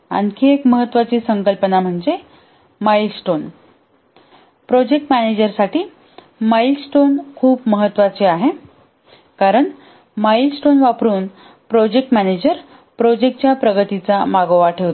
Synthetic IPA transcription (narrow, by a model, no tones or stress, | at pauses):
a̰nkʰiːekməɦət̪ːʋat͡ɕiːsəŋkəlpənam̤əɳd͡ze | mailsʈon | pɾod͡ʑek̚ʈmæned͡ʑəɾsaʈʰiː | mailsʈonkʰuːpməɦət̪ːʋat͡ɕeaɦe | kaɾəɳ | mailsʈonʋapɾuːn | pɾod͡ʑek̚ʈmæned͡ʑəɾ | pɾod͡ʑek̚ʈ̚t͡ɕjapɾəɡət̪it͡samaɡoʋaʈʰəʋt̪